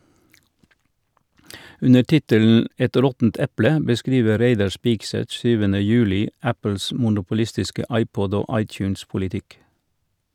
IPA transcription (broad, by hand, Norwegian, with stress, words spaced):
ˈʉnə ˈʈɪtəln̩ ˈɛt ˈɾɔtn̩t ˈɛplə bəˈskɾiːʋə ˈɾeɪdɑ ˈspɪɡˌsɛt ˈsyːʋənə ˈjʉːlɪ ˈæpl̩s mʊnʊpʊˈlɪstɪskə ˈɑɪˌpɔd ˈoː ˈɑɪˌtjʉːnspʊlɪˌtɪk